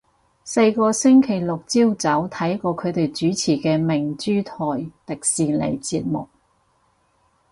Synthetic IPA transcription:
se˧jkɔː˧sɪ˥ŋkʰe˨˩jlʊ˨˩k̚t͡siː˥wt͡sɐ˨˥wt̪ʰɐ˨˥jkɔː˧kʰɵ˨˧ɥt̪e˨jt͡ʃyː˨˥t͡sʰiː˨˩kɛː˧mɪ˨˩ŋt͡ʃyː˥t̪ʰɔː˨jt̪ɪ˨k̚siː˨lḛ˨˩jt͡siː˧t̚mʊ˨k̚

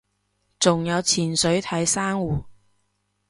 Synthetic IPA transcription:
t͡sʊ˨ŋjɐ˨˧wt͡sʰiː˨˩nsɵ˨˥ɥt̪ʰɐ˨˥jsaː˥ŋwuː˨˩

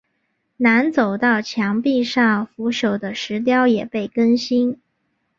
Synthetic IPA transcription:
na˧˥nt͡so˨˩ʊt̪ɑ˥˩ʊt͡ɕʰjɑ˧˥ŋpi˥˧ʂɑ˥˩ŋfu˧˥ɕjo˨˩ʊd̪ə˦ʂɻ̩˧˥t̪̬jɑ˥ʊjɛ˨˩pe˥˩ɪkə˥nɕi˥n

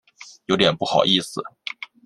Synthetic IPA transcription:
jo˧˥ʊt̪jɛ˨˩npu˥˩xɑ˨˩ʊʔi˥˩sɹ̩˩

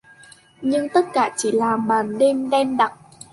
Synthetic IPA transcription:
ɲɨ˧ŋt̪ə˦˥t̚kaː˧˩t͡ɕi˧˩laː˨˩ɓaː˨˩nɗe˧mɗɛ˧mɗa˨˩t̚

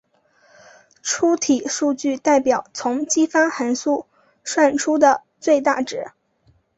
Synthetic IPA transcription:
ʈ͡ʂʰu˥t̪ʰi˨˩ʂu˥˧t͡ɕy˥˧t̪a˥˩ɪpjɑ˨˩˦ʊt͡sʰʊ˧˥ŋt͡ɕi˥fa˥xa˧˥nsu˥˧˩ | ʂwa˥˩nʈ͡ʂʰu˥d̪ə˨ | t͡swe˥˧ɪt̪a̰˥˩ʈ͡ʂɻ̩˨˩˦

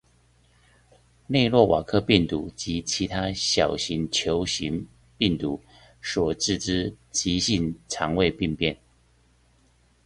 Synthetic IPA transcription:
ne˥˧ɪlwɔ˥˩wʔa̰˨˩kʰɤ˥˧pi˥˩ŋt̪u˧˥t͡ɕi˧˥t͡ɕʰi˧˥t̪ʰa˥ɕjɑ˨˩ʊɕi˧˥ŋt͡ɕʰjo˧˥ʊɕi˧˥ŋ | pi˥˩ŋt̪u˧˥ | ʂwɔ˨˩ʈ͡ʂɻ̩˥˩ʈ͡ʂɻ̩˥t͡ɕi˧˥ɕi˥˩nʈ͡ʂʰɑ˧˥ŋwe˥˧ɪpi˥˧ŋpjɛ˥˩n

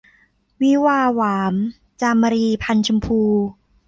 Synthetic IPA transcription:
wi˦˥waː˧waː˩˦m | t͡ɕaː˧mːa˧ɾiː˧pʰa˧nt͡ɕʰu˧mpʰuː˧

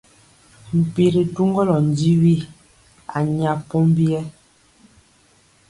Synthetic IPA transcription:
m̩˨pi˨ɾi˨tu˦ŋɡɔ˦lɔ˨n̩˨di˦wi˦˨ | a˨ɲa˨pɔ˦m˦bjɛ˦

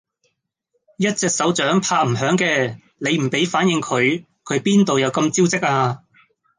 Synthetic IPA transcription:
jɐ˥t̚t͡sɛː˧k̚sɐ˨˥wt͡ʃœː˨˥ŋpʰaː˧k̚m̩˨˩ɦœː˨˥ŋkɛː˧ | le˨˧jm̩˨˩pe˨˥jfaː˨˥njɪ˨ŋkʰɵ˨˧ɥ | kʰɵ˨˧ɥpiː˥nt̪o˨wjɐ˨˧wkɐ˧mt͡si˥wt͡sɪ˥k̚ʔaː˧

